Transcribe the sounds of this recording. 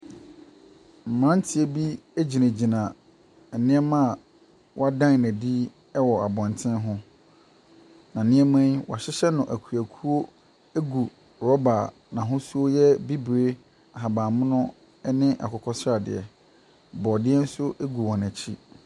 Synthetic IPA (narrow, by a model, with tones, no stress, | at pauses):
m̩˨mɾã˦n˦tʰɪ˨e˦bi˦e˦d͡ʑi˨næ̃˨d͡ʑi˨nã˨ | ɛ˨nɪ̃˦ɛ˦mã˦˨ | wɔ˦a˦dã˦n˨næ̃˨di˦ | ɛ˦wɔ˨a˨bɔ̃˨ntʰɪ̃˦nɦʊ̃˦ | nã˨nɪ̃˦ɛ˦mã˦nwɔ̰˨a˨ɕɪ˦ɕɛ˦nʊ̃˨ʔæ˨kʰu˨æ˨kʰu˦o˦ | e˦ɡu˨ | ɾɔ˦ba˨ | nã˨ɦʊ̃˦su˦o˦jɛ˦bi˦bɾe˦ | a˨ɦa˨bãː˨mʊ̃˦nʊ̃˦ | ɛ˦nɪ̃˦ʔa̰˨kʰɔ˨kʰɔ˦sɾa˨dɪ̰˨ɛ̰˨ | bɔ˨dɪ˦ɛ˦n̩˦sʊ˦ʔe˦ɡu˨wɔ̃˨næ̃˨t͡ɕʰi˦